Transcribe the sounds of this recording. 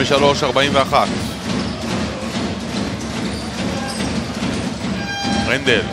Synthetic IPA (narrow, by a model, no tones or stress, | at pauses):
eʃalo̞ʃaʁbaimveaχat̪ | ʁend̪el